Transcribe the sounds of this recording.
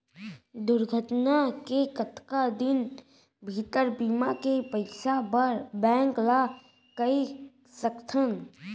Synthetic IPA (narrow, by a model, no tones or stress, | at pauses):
d̪ʊɾɡʱəʈnakekət̪kad̪ɪn | bʱit̪əɾbiːmakepəɪsaəɾbɛ̃ːŋkla | kəi | səkt̪ʰən